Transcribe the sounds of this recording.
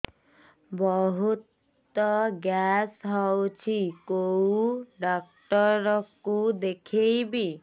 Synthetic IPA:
bɔɦut̪ | ɔɡjasɦɔwt͡ʃʰikowɖɔk̚ʈɔɾɔkud̪ekʰejbi

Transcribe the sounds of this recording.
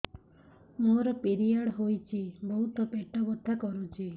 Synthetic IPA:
moɾɔpeɾiaɽɦojt͡ʃʰibɔɦut̪ɔpeʈɔbɔt̪ʰːakɔɾut͡ʃʰi

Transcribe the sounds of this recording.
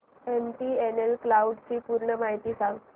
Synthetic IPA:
emʈiːenelklauɖt͡ɕiːpuɾɳəmaɦit̪iːsãŋɡ

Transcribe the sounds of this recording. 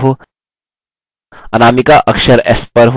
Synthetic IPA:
ɦu | ɐnamikaʔəkʂəɾḛspəɾɦ

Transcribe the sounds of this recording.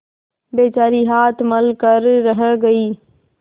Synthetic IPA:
beːt͡ʃaːɾiɦaːt̪ʰməlkəɾːəɦəɡɐiː

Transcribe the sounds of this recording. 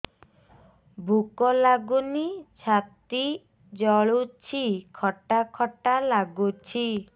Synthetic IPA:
bʱukɔlaɡunit͡ʃʰat̪i | d͡ʒɔɭut͡ʃʰikʰɔʈakʰɔʈalaɡut͡ʃʰi

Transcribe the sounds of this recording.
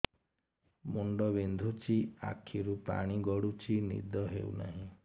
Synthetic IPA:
muɳɖɔbend̪ʱut͡ʃʰia̰kʰiɾupa̰ɽ̃iɡɔɽut͡ʃʰinḭd̪ʱɔɦḛuna̰ɦĩ

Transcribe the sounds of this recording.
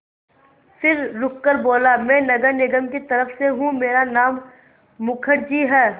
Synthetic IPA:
fʰɪɾːʊkːəɾboːlamɛ̃ːnɐɡəɾnɪɡəmkit̪ɐɾəfseɦũmeːɾanaːmː | ʊkʰəɽd͡ʒiɦɛː

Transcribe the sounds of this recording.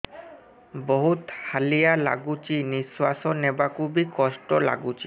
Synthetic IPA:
bɔɦut̪halijala̰ɡut͡ʃiniswasɔnɛbakubikɔsʈɔla̰ɡut͡ʃi

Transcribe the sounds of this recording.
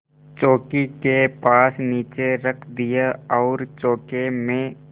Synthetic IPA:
t͡ʃoːkikepaːsniːt͡ʃeɾəkʰd̪ɪjaɔːɾt͡ʃoːkemẽ

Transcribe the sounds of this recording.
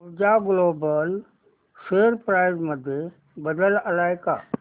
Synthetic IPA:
d͡ʑaɡloːbəl | seːɾpɾaːɪzməd̪ʱje | bɐd̪əlɐlaːɪka̰

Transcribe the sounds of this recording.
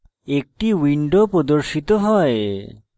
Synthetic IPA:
ek̚ʈiwiɳɖopɾod̪oɾʃit̪oɦɔe

